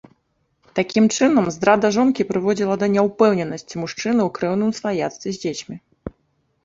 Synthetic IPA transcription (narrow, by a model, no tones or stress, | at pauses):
t̪akʲimt͡ʂɨnɐmzd̪ɾad̪ɐʐɔnkʲipɾɨvɔd͡zʲilˠɐd̪ɐnʲɛwpɛwnʲɛnɐsʲt͡sʲimuʂt͡ʂɨnɨwkɾɛwnɨmsvajat̪st̪vʲizʲd͡zʲet͡sʲmʲi